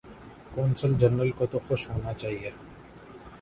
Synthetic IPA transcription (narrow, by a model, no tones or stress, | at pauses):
kɔːnsəld͡ʒɐnɾəlkot̪oxʊʃɦoːnat͡ʃaːɦie